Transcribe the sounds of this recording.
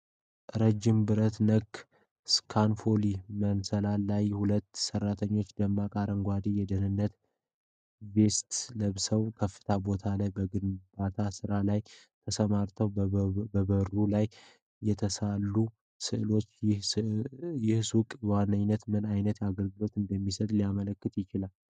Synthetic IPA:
ʔɾəd͡ʒɪmbɨɾət̪nəkː | skʰanfo̞limənsəlalajhulət̪ːsərːat̪ʰəɲːo̞t͡ʃːd̪əmːakʼaɾəŋɡʷad̪ijɛd̪ənɨnːət̪ | be̞st̪ləβsəwkʰəfːɨ̥t̪ʰabo̞t̪ʰalajbəɡɨnbat̪ʰasɨɾalaj | t̪ʰəsəmaɾt̪ʰəwəbəɾulaj | jɛt̪ʰəsalːu | sɨʔɨlo̞t͡ʃː | jɪhsukʼwanːəɲnət̪mɨnajnət̪jaɡəlɡɨlo̞t̪ɨnd̪əmːisət̪ʼlijamələkːɨt̪jɪt͡ʃɪlal

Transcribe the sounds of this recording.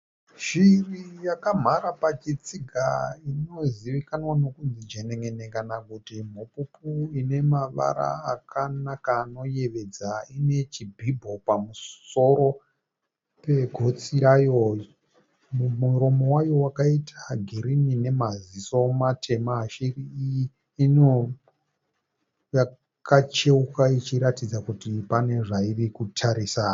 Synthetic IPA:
ʃirijakam̤aɾapat͡ʃit͡siɡʱaino̞ziʋikanwano̞kunzid͡ʒeneŋenekanakutim̤upupuine̞maʋa̰ɾa̰akanakaːno̞je̞ʋe̞d͡zaine̞t͡ʃibʱibʱo̞pamuso̞ɾo̞ | pe̞ɡʱo̞t͡siɾajo | mumuɾo̞mo̞wajo̞wakaitʰḁɡʱiɾinine̞mazisomatʰe̞maʃiriiji | ino | ja | kat͡ʃe̞ukait͡ʃiɾatid͡zakutipane̞ʐairikutʰaɾisa

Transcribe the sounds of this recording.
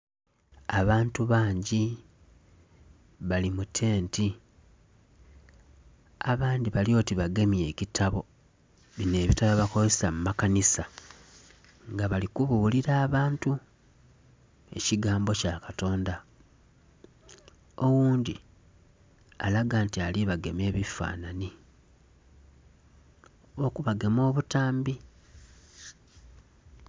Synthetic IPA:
aβaːntuβaːɲɟi | βalimutʰe̞ːnti | aβaːndiβaljo̞ːtiβaɡe̞mje̞ːcitʰaβo̞ | βine̞ːβitaβaβakozessamumakanisa | ŋɡaβalikuβuliɾaːβaːntu | e̞̰ciɡaːmbo̞cakato̞ːnda | o̞wuːndi | a̰laɡaːntialiβaɡe̞me̞ːβifa̰ːnani | o̞kuβaɡe̞mo̞ːβutaːmbi

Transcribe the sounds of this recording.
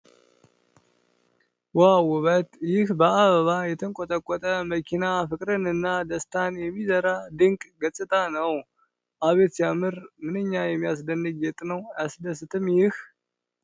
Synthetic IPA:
wawʊβət̪jɪhbəaβəβajɛt̪ʰəŋkʷʼɔt̪ʼəkʷʼːɔt̪ʼəməkʰinafɨkʼɾɨnɨnːad̪əst̪ʰanjɛmːizəɾad̪ɨŋkʼɡət͡sʼːɨt̪ʼʰanəw | ʔaβe̞t̪jamɨɾmɨnɨɲːajɛmːijas̬d̪ənːɨd͡ʒɛt̪ʼnəwjasd̪əsɨt̪ʰɨmjɪh

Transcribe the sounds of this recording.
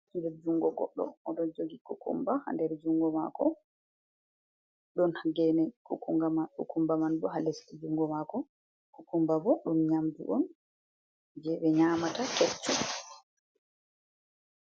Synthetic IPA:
ndɛɾd͡ʒuŋɡɔɡɔ̰ɗːɔ̰ɔɗɔnd͡ʒoɡikukṵmbaha̰ndɛɾd͡ʒuŋɡɔmakɔ | ɗɔnhaɡɛnɛkukuŋɡamakṵkumbamandɔɦalestid͡ʒuŋɡɔmakɔ | kukumbabɔɗumɲamd͡ʒṵʔɔn | d͡ʒɛɓɛɲaːmatakɛt͡ʃːɔ

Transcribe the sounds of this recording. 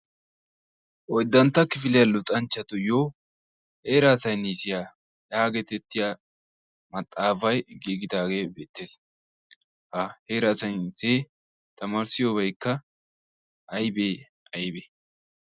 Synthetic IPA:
ʔɔjd̪ːɐnt̪ːɐkɪfɪlɪjɐlʊt̪ʼɐnt͡ʃːɐt̪ʊjoː | he̞ːɾaːsɐjniːsɪjaː | jaːɡɛt̪ɛt̪ːɪjaː | mɐt̪ʼːaːfɐjɡiːɡɪd̪aːɡe̞ːbeːt̪ːeːs | hɐheːɾaːsɐjniseː | t̪ɐmaːɾsɪjoːbɐjkːɐ | ʔɐjbeː | ʔɐjbe

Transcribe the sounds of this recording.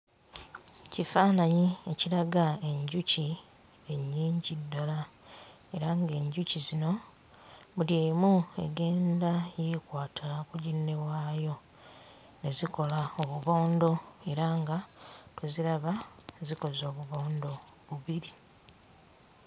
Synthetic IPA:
cifaːnaɲie̞cilaɡae̞ɲɟuci | e̞ɲːiːɲɟidːala | e̞ɾaŋɡe̞ːɲɟucizino̞ | βuljeːmue̞̰ɡe̞ːndajekwaːtʰakuɟinːe̞βwaːjo̞ | ne̞ziko̞laoβuβo̞ːndo̞e̞ɾaŋɡatuziɾaβaziko̞zo̞ːβuβo̞ːndo̞ | βuβiɾi

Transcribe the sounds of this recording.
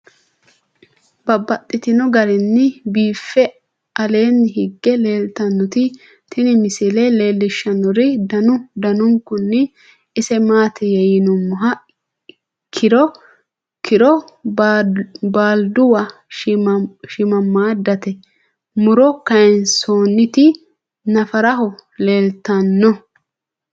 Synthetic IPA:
bɐbːɐt̪ʼːɪt̪ɪnɔɡɐɾɛnːɪbiːfːɛ | ʔɐle̞ːnːɪhɪɡːɛle̞ːlt̪ɐnːʊt̪ɪ | t̪ɪnɪmɪsɪlɛle̞ːlːɪʃːɐnːɔɾɪd̪ɐnʊd̪ɐnʊŋkːʊnːɪ | ɪsɛmaːt̪ɪjɛjɪnʊmːʊɦɐ | kʰɪɾɔ | kɪɾɔ | baːld̪ʊwɐ | ʃɪmɐmːaːd̪ɐt̪ɛ | mʊɾɔkɐjnsoːnːɪt̪ɪ | nɐfɐɾɐɦɔle̞ːlt̪ɐnːɔ

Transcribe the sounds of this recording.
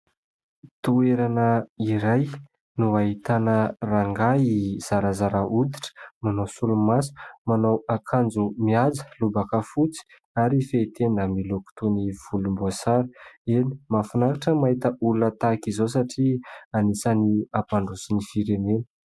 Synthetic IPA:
t̪ueɾanəiɾaj | nuaɦit̪anəraŋɡaiz̥aɾazaɾaʔud̪i̥ʈ͡ʂə̥manowsulumasi̥manowakʰand͡zumiad͡zə̥lubakəfut͡si̥ | aɾifeit̪ʰenəmiloku̥t̪oniv̥ulumbuasaɾəeni̥mafunakaʈ͡ʂəmaɦit̪əʔuluət̪akizos̬aʈ͡ʂianisaniapaɳɖ͡ʐusinifiɾenenə̥

